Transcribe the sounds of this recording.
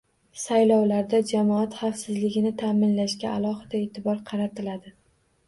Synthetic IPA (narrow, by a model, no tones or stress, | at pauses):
sajlɒwlaɾd̪ad͡ʒamɒat̪χɑfsɪzlɪɡʲɪnɪt̪ʰaːmɪnlaʃkʲaalˠɒɦɨd̪̥ae̞ːt̪ʰɪbɒɾqʰɑɾat̪ʰɪlad̪ɪ